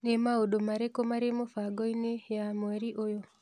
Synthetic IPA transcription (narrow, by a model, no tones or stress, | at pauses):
nemaodomaɾekomaɾemofaɡɔinejamweɾiʔojo